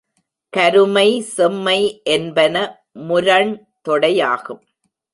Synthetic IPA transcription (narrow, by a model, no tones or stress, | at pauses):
kɐɾɯmɐɪsɛmːɐɪʔɛnbɐnɐ | mʊɾɐɳ | t̪ɔɽɐja̰ːɣɯm